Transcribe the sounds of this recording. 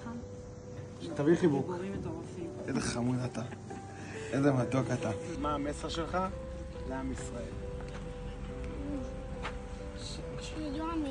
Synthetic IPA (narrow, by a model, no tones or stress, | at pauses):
t̪aviχibukt̪oʁafiezeχamudat̪a | ezemadokat̪amaːmeseʁʃelχa | zeamisʁael